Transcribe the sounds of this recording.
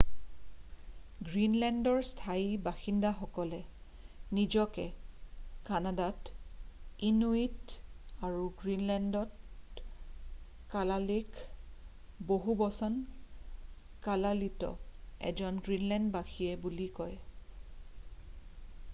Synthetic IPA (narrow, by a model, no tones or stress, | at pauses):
ɡɹinlɛndɔɹstʰaibaxindaxɔkɔlɛ | nizɔkɛ | kanadat | inuitaɹuɡɹinlɛndɔt | kalalik | boɦubɔsɔn | kalalitɔ̰ɛ̰zɔnɡɹinlɛndbaxiɛbulikɔj